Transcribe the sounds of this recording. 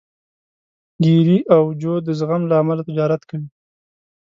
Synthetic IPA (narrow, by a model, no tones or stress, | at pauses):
ɡiɾiʔawd͡ʒod̪əzɣamlaːmalat̪ɪd͡ʒɑɾat̪kawi